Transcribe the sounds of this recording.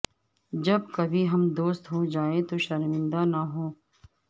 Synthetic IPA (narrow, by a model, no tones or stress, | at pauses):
d͡ʒɐb̚kɐbʱiɦɐmd̪oːst̪ɦod͡ʒaːẽt̪oʃɐɾmɪ̃nd̪anɐɦoː